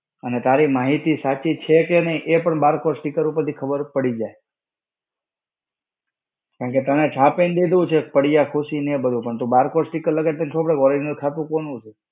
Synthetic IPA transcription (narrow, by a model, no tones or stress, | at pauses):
ənet̪aɾimaɦit̪isat͡ʃit͡ʃʰekenəiʔepəɳbaɾkoɾsʈikəɾupəɾt̪ʰikʰəbəɾpəɽid͡ʒae | kãɳket̪ənet͡ʃʰãpend̪ed̪ʋũt͡ʃʰepəɽijakʰuʃinẽbəd̪ʱũpəɳt̪ũbaɾkoɾsʈikəɾləɡet̪ənt͡ʃʰõpɽeɡɔɾinukʰat̪ũkonũt͡ʃʰe